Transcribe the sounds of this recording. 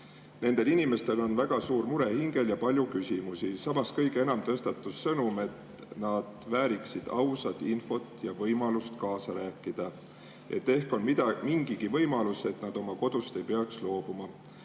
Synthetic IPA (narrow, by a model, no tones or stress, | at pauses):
ne̞nd̪̥e̞linime̞st̪e̞lo̞nvæɡ̥ɑsuːɾmuɾe̞hiŋɡe̞ljɑpɑlʲjukysʲimusisɑmɑskɤjɡ̥e̞nɑmt̪ɤst̪ɑt̪ːˑusːɤnume̞t̪ | nɑd̪̥væːɾiksid̪̥ɑ̰wsɑt̪info̞t̪jɑvɤjmɑlust̪kɑːsɑɾæːkˑːid̪̥ɑ | ʔe̞̰t̪ːe̞hko̞nmid̪ɑmiŋɡ̥iɡ̥ivɤjmɑluse̞t̪nɑd̪̥o̞mɑko̞d̪̥ust̪e̞jpe̞ɑkslo̞ːb̥umɑ